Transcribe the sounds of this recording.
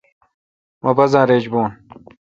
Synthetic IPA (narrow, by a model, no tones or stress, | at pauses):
mʔɐbɐzãːɾeːd͡ʑbuːn